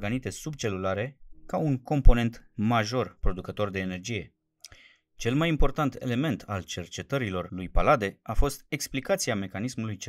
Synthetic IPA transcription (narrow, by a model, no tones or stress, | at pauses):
ɡənit̪e̞sub̚t͡ʃe̞lulaɾe̞kauŋko̞mpo̞ne̞nt̪maʒo̞rpɾo̞d̪ukət̪o̞rd̪e̞ːne̞rd͡ʒije̞ | t͡ʃe̞lmajimpo̞rt̪ant̪e̞̰le̞me̞nt̪ʰalt͡ʃe̞rt͡ʃe̞t̪əɾilo̞rlujpalad̪e̞afo̞st̪e̞ksplikat̪siame̞kanismulujt͡ʃ